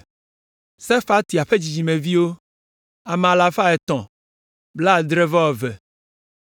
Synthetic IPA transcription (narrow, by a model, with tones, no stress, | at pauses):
sɛ˦fa˦t̪i˨a˨ɸe˦d͡ʑi˨d͡ʑi˨mẽ˨vi˦wo˦ | a˨m̃˨a˨la˨fa˦ɛ˨t̪ɔ̃˨ | bla˦˨d̪ɾɛ˦va˦wɔ˨vɛ˨